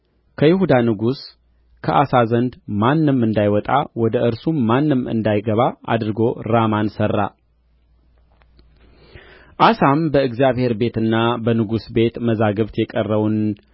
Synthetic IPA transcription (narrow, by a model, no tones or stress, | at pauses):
kʰəjɪɦud̪anɨɡus | kʰəʔasazənd̪manːɨmɨnd̪ajwɔt̪ʼawɔd̪əʔɨɾsumːanːɨmɨ̰nd̪ajɡəβaʔa̰d̪ɾɨɡo̞ɾamansərːa̰ | ʔasambəɨɡzjaβhe̞ɾbe̞t̪ɨnːabənɨɡusbe̞t̪məzaɡəβt̪jɛkʼərːəwun